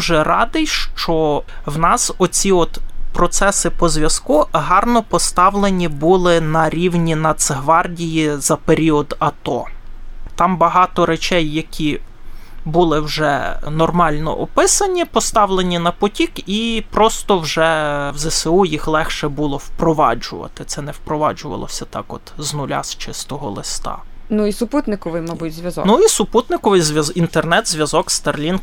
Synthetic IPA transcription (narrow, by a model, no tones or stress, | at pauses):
ʒɛɾɑd̪ɪjʃt͡ʃɔ | wnɑsɔt͡sʲiɔt̪pɾɔt̪sɛsɪpɔzʲʋʲjɐskuɦɑrnɔpɔst̪ɑwlˠenʲibulˠɪnɐɾʲiwnʲinɐt̪seɦʋɑrdʲijizɐpeɾʲiɔd̪ɐt̪ɔ | t̪ɑmbɐɦɑt̪ɔɾet͡ʃɛjːɐkʲi | bulˠɪwʒɛnɔrmɑlʲnɔ̰ʔɔpɪsɐnʲipɔst̪ɑwlˠenʲinɐpɔtʲikipɾɔst̪ɔwʒɛwzɛseujixlˠɛxʃɛbulˠɔwpɾɔʋɑ̰d͡ʒʊ̰ʋɐ̰t̪ɪt̪sɛnɛwpɾɔʋɑd͡ʒʊʋɐ̰lˠɔ̰sʲɐt̪ɑ̰kɔt̪znʊlʲa̰st͡ʃɪst̪ɔɦɔlˠɪst̪ɑ̰ | nuisʊput̪nɪkɔʋɪjmɐbutʲzʲʋʲɐzɔ̰nuisʊput̪nɪkɔʋɪjzʲʋʲjɐzint̪ernɛt̪zʲʋʲjɐzɔkst̪erlʲin